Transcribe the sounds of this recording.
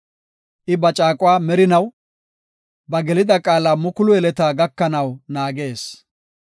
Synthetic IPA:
ʔɪbɐt͡ʃʼaːkʼʊwaːmɛɾɪnɐw | bɐɡɛlɪd̪ɐkʼaːlaːmʊkʊlʊɛlɛt̪aːɡɐkːɐnɐwnaːɡe̞ːs

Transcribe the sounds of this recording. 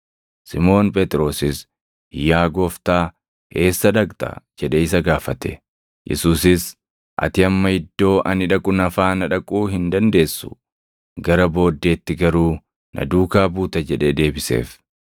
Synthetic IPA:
sɪmo̞ːnpʼɛt̪ʼɾo̞ːsɪs | ɪjːaːɡɔft̪aː | he̞ːsːɐᶑɐkt̪ɐ̰d͡ʒɛᶑɛɪs̬ɐɡaːfɐt̪ɛ̥ | jʔɛ̰suːsɪs | ʔɐ̰t̪ɪɐmːɐhɪd̪ːo̞ːʔɐnɪᶑɐkʼʊnɐfaːnɐᶑɐkʼuːɦɪnd̪ɐnd̪e̞ːsːʊ̥ | ɡɐɾɐbo̞ːd̪ːe̞ːt̪ːɪɡɐɾuː | nʔɐ̰d̪uːkaːbuːt̪ɐd͡ʒɛᶑed̪e̞ːbɪsḛːf

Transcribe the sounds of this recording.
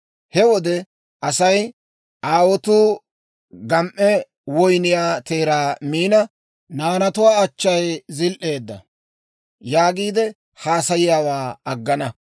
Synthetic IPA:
hɛwɔd̪ɛ | ʔɐsɐj | ʔaːwɔt̪uː | ɡɐmʔɛ | wɔjnɪjaːt̪eːɾaːmiːnɐ | naːnɐt̪ʊwaːɐt͡ʃːɐjzɪlʔe̞ːd̪ːɐ̰ | jaːɡiːd̪ɛ | haːsɐjɪjaːwaːɐɡːɐnɐ

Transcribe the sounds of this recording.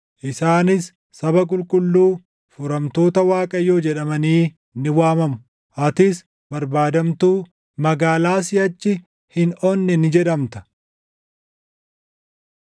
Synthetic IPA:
ʔɪsaːnɪsː | ɐbɐk̬ʼʊlkʼʊlːuː | fʊɾɐmt̪o̞ːt̪ɐwaːkʼɐjːoːd͡ʒɛᶑɐmɐniː | nɪwaːmɐmʊ | ʔɐt̪ɪs | bɐɾbaːd̪ɐmt̪uː | mɐɡaːlaːsɪɐt͡ʃːɪ | hɪnɔnːɛnɪd͡ʒɛᶑɐmt̪ɐ̥

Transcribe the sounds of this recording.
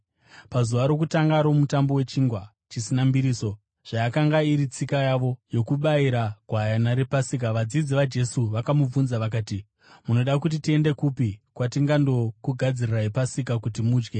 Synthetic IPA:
pazuʋaɾo̞k̬utaŋɡaɾo̞mutambo̞we̞t͡ʃiːŋɡwa | t͡ʃisinambiɾiːso̞ | ʐ̥ajakaŋɡaiɾit͡sikajaʋo̞jo̞kuɓaiɾaɡʱwajanaɾe̞pasik̬aʋad͡zid͡ziʋad͡ʒe̞suʋakamub͡vunzaʋak̬aːti | muno̞ɗakut̬itie̞nde̞kupikwatiŋɡando̞kuɡʱad͡ziriraɦipasikakutimuːd͡ʒɡe

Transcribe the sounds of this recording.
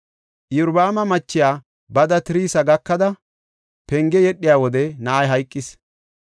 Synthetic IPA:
ʔjʊɾbaːmɐmɐt͡ʃːɪjaː | bɐd̪ɐt̪ɪɾiːsɐɡɐkːɐd̪ɐ | pɛŋɡɛjɛɗːɪjaːwɔd̪ɛnaːjɦɐjkʼːɪs

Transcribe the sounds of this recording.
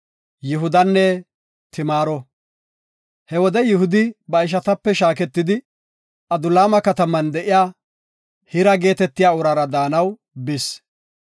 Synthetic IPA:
jɪɦʊd̪ɐnːɛ | t̪ɪmaːɾɔ | hɛwɔd̪ɛjɪɦʊd̪ɪbɐɪʃ̬ɐt̪ɐpːɛʃaːkɛt̪ːɪd̪ɪ | ʔɐd̪ʊlaːmɐkɐt̪ɐmɐnd̪ɛʔɪjaː | hɪɾɐɡe̞ːt̪ɛt̪ːɪjaːʊɾɐɾɐd̪aːnɐw | bɪs

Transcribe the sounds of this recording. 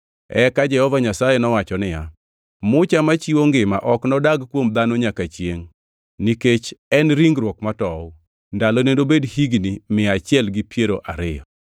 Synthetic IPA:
ɛ̰kad͡ʒɛhɔvaɲasajɛnɔwat͡ʃɔnɪja | mʊt͡ʃamat͡ʃiwoŋɡɪmaʔɔknɔdaɡkwomd̪anoɲakat͡ʃjeŋ | niket͡ʃɛnɾiŋɡɾwokmatɔʊ | ndalonendobedhiɡnimɪat͡ʃɪɛlɡipjeɾoʔaɾɪjɔ̰

